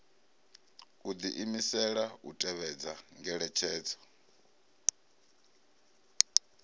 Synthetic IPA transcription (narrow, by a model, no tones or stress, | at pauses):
ud̪iʔimisɛɺautʼɛβɛd͡zaŋɡɛɺɛt͡ʃʰɛːd͡zɔ